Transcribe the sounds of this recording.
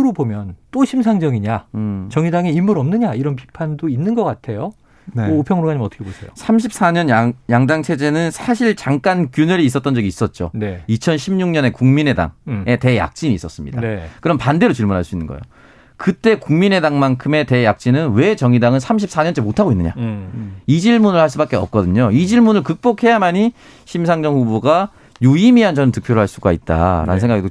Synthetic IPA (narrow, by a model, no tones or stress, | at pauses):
ɾobomjʌnt͈oɕʰims̬ʰaŋd͡ʑʌŋiɲat͡ɕʌŋidaŋeimːuɾʌmnɯɲaiɾʌnp̬i̥pʰandoinːɯnɡʌk͈atʰe̞jo | noopʰjʌŋɯɾoɡaɲimʌtʰʌkʰebosʰe̞̰josʰamɕʰip̚s͈aɲʌnjaŋdaŋt͡ɕʰe̞d͡ʑe̞nɯnsʰaɕʰiɭt͡ɕaŋk͈ankjunɯɾiːs͈ʌt͈ʌnd͡ʑʌɡiːs͈ʌt̚t͡ɕ͈o̰neit͡ɕʰʌnɕʰimɲuŋɲʌne̞kuŋmine̞da̰ŋe̞te̞ja̰k̚t͡ɕ͈iɲiːs͈ʌs͈ɯmɲidadkɯɾʌmpande̞ɾot͡ɕiɭmunɦaɭs͈uinːɯnɡʌ̰jo̰ | kɯt͈e̞kuŋmine̞daŋmankʰɯme̞te̞jak̚t͡ɕ͈inɯnwe̞t͡ɕʌŋidaŋɯnsʰamɕ̬ʰip̚s͈aɲʌnt͡ɕ͈emotʰaɡoinːɯɲa̰ | id͡ʑiɭmunɯɭhaɭs͈ubak͈eʌp̚k͈ʌdɯɲoid͡ʑiɭmunɯɭkɯk̚p͈okʰe̞jamaɲi | ɕʰimsʰaŋd͡ʑʌŋɸuboɡa | juimiand͡ʑʌnɯntɯk̚pʰjoɾoɭɦaɭs͈uɡait̚t͈a̰ɾa̰nɯnsʰeŋɡaɡiɡo